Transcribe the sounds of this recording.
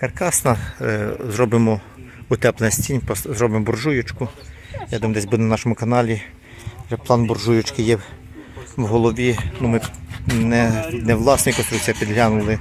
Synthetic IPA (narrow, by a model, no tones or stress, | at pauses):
kɐrkɑsnɐ | zrɔbɪmɔ | ʊt̪ɛplˠensʲtʲinʲpɔszɾɔbɪmbɔrʒujʊt͡ʃkʊ | jad̪md̪ɛsʲbud̪ɛnnɑʃɔmʊkɐnɑlʲi | ʒɛplˠɑnbɔrʒujʊt͡ʃkɪjɛ | wɦɔlˠɔʋʲinumɪnɛnɛʋlˠɑsnɔjkɔnst̪ɾuk̚t͡sʲijɐpʲid̪lʲanʊlˠɪ